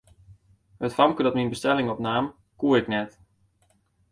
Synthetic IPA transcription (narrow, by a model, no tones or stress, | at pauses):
hətfamkədɔtminbəstɛlɪŋɔpnaːm | kuəɾɪknɛt